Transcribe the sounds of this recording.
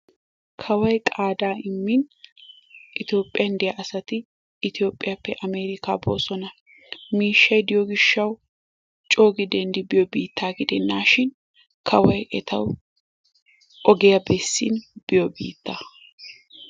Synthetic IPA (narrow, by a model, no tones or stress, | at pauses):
kʰɐwɐjkʼaːd̪aːɪmːɪn | ʔɪt̪o̞ːpʼːɪjɐnd̪ɛjɐʔɐsɐt̪ɪ | ɪt̪ɪjo̞ːpʼːɪjɐpːɛʔɐmeːɾɪka̰ːboːsɔnɐ | miːʃːɐjd̪ɪjɔɡɪʃːɐw | t͡ʃʼo̞ːɡɪd̪ɛnd̪ɪbɪjɔbiːt̪ːaːɡɪd̪ɛnːaːʃɪn | kʰɐwɐjʔɛt̪ɐw | ʔɔɡɛjɐbɛsːɪnb̥ɪjɔbḭːt̪ːɐ